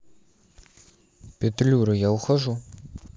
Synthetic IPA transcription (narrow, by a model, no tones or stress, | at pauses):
pʲetlʲuɾɨjawxɐʒu